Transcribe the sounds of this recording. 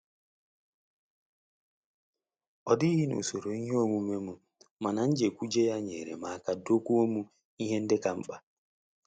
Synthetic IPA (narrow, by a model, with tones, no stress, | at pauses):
ɔ˨di˦ɦi˦nṵ˨so˨ɾo˨i˦ɦe˦o˦ŋʷu˦me˦mu˨ | ma˨na˨n̩˦d͡ʒe˨kʷu˦d͡ʒe˦ja˦ɲḛ˨ɾḛ˨ma˨a˦ka˨do˦kʷu˦o˦mu˦ | i˦ɦe˦n̩˦dɪ˦ka˨ŋ͡m̩˦k͡pa˦